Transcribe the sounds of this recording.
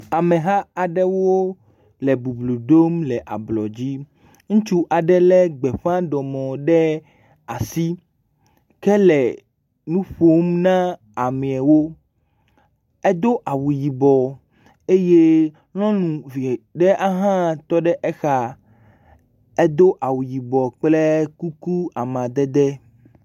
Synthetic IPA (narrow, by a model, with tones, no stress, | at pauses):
a˨mẽ˨ɦa˦a˨ɖɛ˦wo˦ | lɛ˨bu˨blu˨ɖo˦mlɛ˨ʔa̰˨blɔ̰˨d͡ʑi˦ | ŋũ˦t͡ʃu˦ʔa˨ɖɛ˦lɛ˦ɡ͡bɛ˨ɸã˦ɖɔ˨mɔ̃˨ɖɛ˦ | a˨si˦ | kɛ˦lɛ˨ | nũ˦ɸo˦mnã˦ | a˨mẽ˨ɛ˨wo˦ | e˦d̪o˦ʔa˨wu˨ji˨bɔ˨ | e˦je˦ | l̃ɔ̃˦nũ˨vi˨ɖɛ˦ʔa˦ɦã˦t̪ɔ˦ɖɛ˦ʔɛ˦xa˦ | e˦d̪o˦ʔa˨wu˨ji˨bɔ˨k͡ple˦ku˦ku˦a˨mã˨d̪ɛ˦d̪ɛ˦